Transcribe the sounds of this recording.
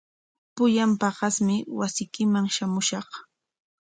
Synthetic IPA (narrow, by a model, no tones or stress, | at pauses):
pʊjampɑɢɑsmɪwasɪjkɪmaŋʃamʊʃɑχ